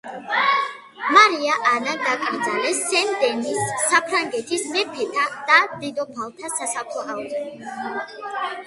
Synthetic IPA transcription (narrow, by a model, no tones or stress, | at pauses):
maɾiaʔanad̪akʼɾd̪zalɛsːɛnd̪ɛnisːapʰɾaŋɡɛt̪ʰismɛpʰɛt̪ʰad̪̥ad̪̥id̪ɔpʰalˠt̪ʰasasakʰlɔaɛ